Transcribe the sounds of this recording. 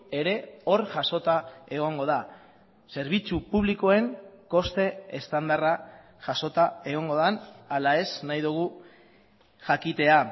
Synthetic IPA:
e̞ɾe̞o̞ɾʝaso̞t̪ae̞ɣ̞o̞ŋɡo̞ð̞a | se̞ɾβit͡supuβ̞liko̞e̞ŋko̞st̪e̞est̪and̪ara | ʝaso̞t̪ae̞ɣ̞o̞ŋɡo̞ðanalae̞snajðuɣ̞u | ʝakit̪e̞a

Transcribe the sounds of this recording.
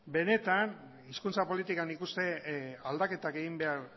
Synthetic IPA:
be̞ne̞t̪an | iskunt͡sapo̞lit̪ikanikust̪e̞ald̪ake̞t̪akeɣimbe̞aɾ

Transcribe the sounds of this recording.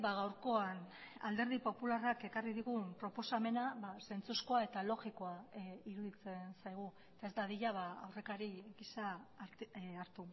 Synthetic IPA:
baɣawɾko̞an | a̰ld̪e̞ɾðipo̞pularake̞kariðiɣumpɾo̞po̞same̞naβase̞nt͡susko̞ae̞t̪alo̞ɣiko̞aiɾuðit͡se̞nsajɣ̞uet̪ae̞zd̪aðiʎaβaawre̞kaɾiɡisa | aɾt̪u

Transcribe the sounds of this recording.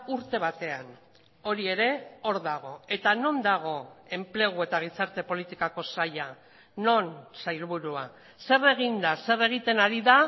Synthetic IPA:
uɾt̪e̞β̞at̪e̞an | o̞ɾie̞ɾe̞o̞ɾðaɣ̞o̞e̞t̪ano̞nd̪aɣ̞o̞e̞mple̞ɣ̞ue̞t̪aɣ̞isaɾt̪e̞po̞lit̪ikako̞saja | no̞nsajlβuɾua | se̞re̞ɣ̞ind̪ase̞re̞ɣ̞it̪e̞naɾiða

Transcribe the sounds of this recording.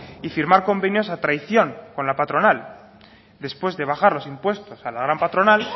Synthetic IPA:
ifiɾmaɾko̞mbe̞njo̞sat̪ɾajθjo̞ŋko̞nlapat̪ɾo̞nal | d̪e̞spwe̞zðe̞β̞axaɾlo̞simpwe̞st̪o̞salaɣ̞ɾampat̪ɾo̞nal

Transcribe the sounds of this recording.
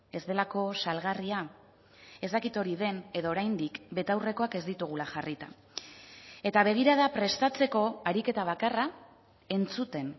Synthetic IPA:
e̞zd̪e̞lako̞salɣaria | e̞zt̪akit̪o̞ɾiðe̞ne̞ðo̞ːɾajnd̪ikbe̞t̪awre̞ko̞ake̞zd̪it̪uɣ̞ulaʝarit̪a | e̞t̪aβ̞e̞ɣ̞iɾað̞apɾe̞st̪at͡se̞ko̞aɾike̞t̪aβ̞akara | e̞nt͡sut̪e̞n

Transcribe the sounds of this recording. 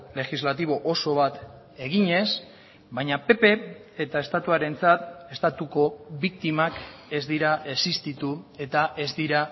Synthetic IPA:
le̞xizlat̪iβ̞o̞ʔoso̞β̞at̪ | e̞ɣiɲe̞s | bajɲape̞pe̞ːt̪ae̞st̪at̪uaɾe̞nt͡sat̪e̞st̪at̪uko̞βik̚t̪imake̞zd̪iɾae̞sist̪it̪ue̞t̪aʔe̞zd̪iɾa

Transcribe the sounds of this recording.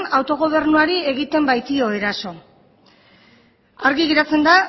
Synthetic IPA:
nawt̪o̞ɣ̞o̞β̞e̞rnuaɾie̞ɣit̪e̞mbajt̪io̞e̞ɾaso̞ | aɾɣiɣiɾat͡se̞nd̪a

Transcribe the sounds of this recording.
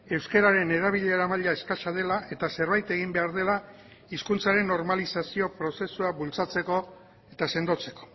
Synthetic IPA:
e̞wske̞ɾaɾe̞ne̞ɾaβiʎe̞ːɾamaʎaeskaʃað̞e̞laʔe̞t̪ase̞ɾβajt̪e̞ɣ̞imbe̞aɾð̞e̞la | iskunt͡saɾe̞nːo̞ɾmalisasio̞pɾo̞se̞suaβult͡sat͡se̞ko̞ | e̞t̪ase̞nd̪o̞t͡se̞ko̞̥

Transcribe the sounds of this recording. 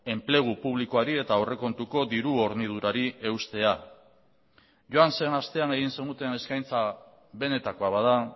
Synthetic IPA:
e̞mple̞ɣ̞upuβliko̞aɾie̞t̪ao̞re̞ko̞nt̪uko̞d̪iɾuo̞ɾnið̞uɾaɾie̞wst̪e̞a | ʝoanse̞nast̪e̞ane̞ɣ̞inse̞nd̪ut̪e̞ne̞skajnt͡sa | βe̞ne̞t̪ako̞aβaða

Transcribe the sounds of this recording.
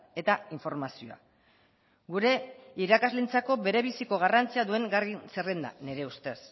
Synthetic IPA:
e̞t̪aiɱfo̞ɾmasioa̰ | ɡuɾe̞iɾakazlint͡sako̞βe̞ɾe̞βisiko̞ɣ̞arant͡siaðue̞ŋɡarinserend̪a̰ne̞ɾe̞ust̪e̞s

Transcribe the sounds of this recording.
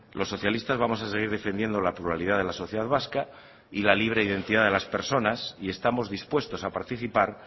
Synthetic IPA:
lʔo̞sːo̞θjalist̪azβamo̞s̬aseɣ̞iɾðe̞fe̞nd̪je̞nd̪o̞lapluɾalið̞aðe̞laso̞θje̞ðaðβaska | ilaliβ̞ɾe̞iðe̞nt̪iðaðe̞laspe̞ɾso̞nasie̞st̪amo̞zðispwe̞st̪o̞sapaɾt̪iθipaɾ

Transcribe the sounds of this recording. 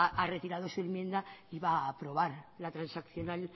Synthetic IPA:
are̞t̪iɾaðo̞suenmje̞nd̪aiβaːpɾo̞β̞aɾlat̪ɾansakθjo̞nal

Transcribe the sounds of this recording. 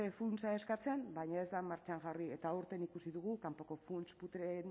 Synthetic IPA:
efunsae̞skat͡sembajɲae̞zd̪amaɾt͡ʃaŋʝarie̞t̪auɾt̪e̞nikusiðuɣ̞ukampo̞ko̞funsput̪ɾen

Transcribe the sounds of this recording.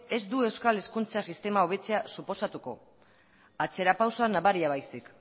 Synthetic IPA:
e̞zd̪ue̞wskale̞skunt͡sasist̪e̞mao̞β̞e̞t͡seasupo̞sat̪uko̞̰ | at͡se̞ɾapawsoanaβaɾiaβajsik

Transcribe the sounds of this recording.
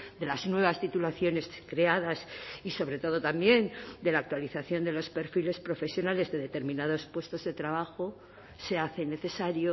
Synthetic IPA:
d̪e̞laznwe̞β̞ast̪it̪ulaθjo̞ne̞skɾe̞aðasiso̞βɾe̞t̪o̞ðo̞t̪ambje̞nd̪e̞laːk̚t̪waliθaθjo̞nd̪e̞lo̞spe̞ɾfile̞spɾo̞fe̞sjo̞nale̞zðe̞ðe̞t̪e̞ɾmĩnað̞o̞spwe̞st̪o̞zðe̞t̪ɾaβ̞axo̞ | se̞aθe̞ne̞θe̞saɾjo

